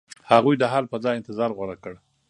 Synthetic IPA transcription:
haɣujd̪əɦalpəzɑjɪnt̪ɪzɑɾɣwaɽakəɽ

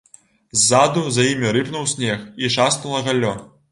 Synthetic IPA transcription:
zːad̪uzajimʲiɾɨpnuwsʲnʲɛxiʂasnulˠɐɣalʲːɔ

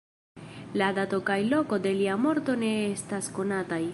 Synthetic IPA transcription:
lad̪atokajlo̞ko̞de̞liamo̞ɾto̞ne̞estasko̞nataj

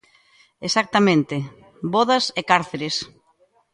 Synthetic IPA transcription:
esak̚t̪amẽnt̪e | bɔðɐsekaɾθeɾes

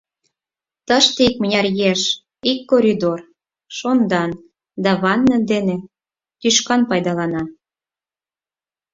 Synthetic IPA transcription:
t̪əʃt̪eik̚mənʲɑrjeʃ | ikːoɾʲid̪or | ʃond̪ɑn | d̪ɑβɑnːə̆d̪ene | t̪yʃkɑnpɑjd̪ɑlɑnɑ

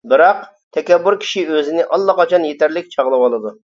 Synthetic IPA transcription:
bɨɾɑq̚ | t̪ʰɛkʲɛbːuɾkʲʰi̥ʃiøzɪnɪʔɑlˠːɑqɑt͡ʃʰɑnjet̪ʰæɾlɪk̚ʲt͡ʃʰɑʁlˠɨwɑlˠɨd̪u

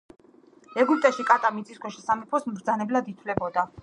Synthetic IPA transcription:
ɛɡyp̚t̪ʼaʃikʼat̪ʼamit̪sʼiskʰɔʃɛsamipʰɔsmɾd̪zanɛblad̪it̪ʰvlɛbɔd̪a

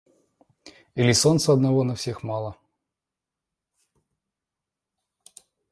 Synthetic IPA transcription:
ilʲiso̞nt̪səɐd̪nɐvonɐfsʲe̞xmɑlˠə

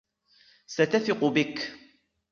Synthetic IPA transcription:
sat̪aθɪqʊbɪk

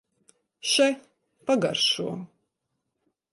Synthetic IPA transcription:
ʃaj | paɡa̰ɾʃuɔ

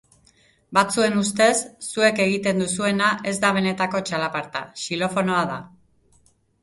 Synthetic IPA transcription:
bat͡sue̞nust̪e̞sːue̞ke̞ɣ̞it̪e̞nd̪usue̞naʔe̞zd̪aβ̞e̞ne̞t̪ako̞t͡ʃalapaɾt̪a̰ʃilo̞fo̞no̞aða

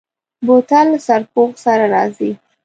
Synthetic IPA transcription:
bot̪alsaɾpoɣsaɾaɾɑ̰zi

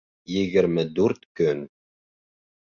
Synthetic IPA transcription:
jɘ̆ɡɘ̆ɾmɘd̪uɾt̪kɵn

